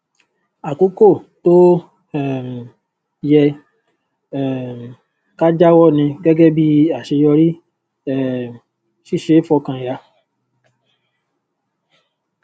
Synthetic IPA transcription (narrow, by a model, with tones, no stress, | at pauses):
a˨ko˨˦ko˦˨to˦ | ɛ˨m̩˨ | jɛ˧ | ɛ˨ | ka˦d͡ʒa˦wɔ˦˨nĩ˧ɡɛ˦ɡɛ˦bi˦a˨ʃe˧jɔ˧ɾi˦ | ɛ˦˨ | ʃi˦˨ʃe˨˦fɔ˧kã˧ja˧